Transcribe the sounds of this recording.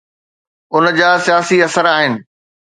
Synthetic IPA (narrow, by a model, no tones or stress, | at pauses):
ʊnd͡ʑaːsijaːsiɐsəɾaːɦɪnɪ̆